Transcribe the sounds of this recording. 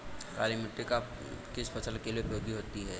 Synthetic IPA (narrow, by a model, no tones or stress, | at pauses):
ka̰ːlimɪʈːeka | kɪspʰɐsəlkelieʊpjoːɡiɦoːt̪iɦɛː